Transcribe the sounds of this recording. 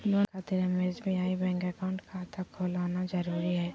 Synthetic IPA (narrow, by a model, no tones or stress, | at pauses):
loːkʰaːt̪ɪɾəmezbʱiaːibɛ̃ːŋkɛkaʊ̃ɳʈkʰat̪ʰakʰoːlaːnazɐɾuːɾiɦɛː